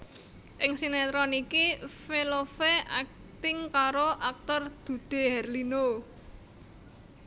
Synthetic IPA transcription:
ʔɪŋsinɛt̪ɾɔnikifelofeʔak̚ | t̪ɪŋkaɾoʔak̚t̪ɔrd̪̥ṳd̪̥e̤hɛrlino

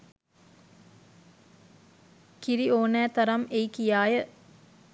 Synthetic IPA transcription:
kiɾioːnæːt̪ɐɾɐmejkijaːjə

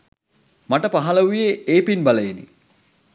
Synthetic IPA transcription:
maʈəpaɦaləʋujeeːpinbaləjinḭ

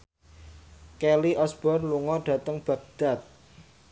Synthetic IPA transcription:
kɛliʔɔsb̥ɔrluŋɔɖ̥ä̤t̪əŋb̥a̤ɡ̚d̪̥a̤t̪̚

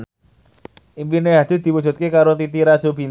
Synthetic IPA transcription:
ʔimpineɦad̪̥i̤d̪̥i̤wud̥d͡ʒ̥ṳt̪̚kekaɾot̪it̪iɾḁʒ̥o̤bin

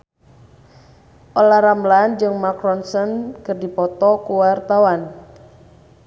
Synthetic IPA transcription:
ʔolahɾamland͡ʒɨŋmakɾɔnsɔnkɨrdipɔt̪ɔkuwart̪awan

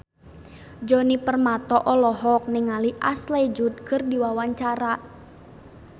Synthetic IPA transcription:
d͡ʒɔnipərmat̪ɔʔɔlɔɦɔk̚nɛŋaliʔasled͡ʒut̪̚kʰɨrdiwawaɲt͡ʃaɾa

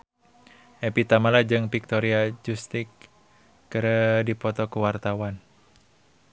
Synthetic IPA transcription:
ʔɛpit̪amalad͡ʒɨŋpik̚t̪ɔɾiad͡ʒust̪ikː | əɾədipɔt̪ɔkuwart̪awan

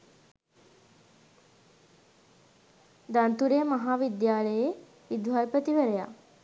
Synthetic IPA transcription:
d̪ant̪uɾejmaɦaːʋid̪jaːləje | ʋid̪ʋajpət̪iʋəɾeja̰

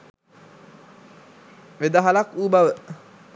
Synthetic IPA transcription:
ʋed̪aɦalakuːbaʋə

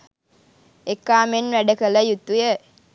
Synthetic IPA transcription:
ekːaːmenʋæɖəkələjut̪ujə

